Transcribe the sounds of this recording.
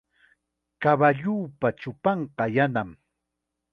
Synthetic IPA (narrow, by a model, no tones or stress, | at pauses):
kaβaʎuːpat͡ʃʊpɑɴqɑjanam